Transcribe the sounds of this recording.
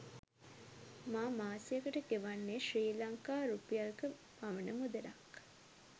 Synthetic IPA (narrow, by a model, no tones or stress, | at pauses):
maːmaːsijakəʈəkeʋanːeːʃriːlaŋkaːɾupijalkə | paʋənəmud̪ɐlak